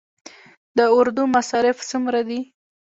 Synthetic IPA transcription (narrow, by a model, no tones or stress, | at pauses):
d̪əʊɾd̪umasɑɾɪft͡sumɾad̪i